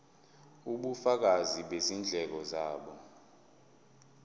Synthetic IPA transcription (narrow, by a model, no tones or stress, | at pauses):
uɓufak̬aziɓezind͡ɮʱɛk̬ɔzaːɓɔ